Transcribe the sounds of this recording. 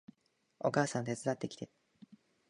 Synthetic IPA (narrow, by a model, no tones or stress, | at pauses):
o̞̰kaːsãnt̪e̞t͡sɨd̪at̪ːe̞kʲi̥t̪e̞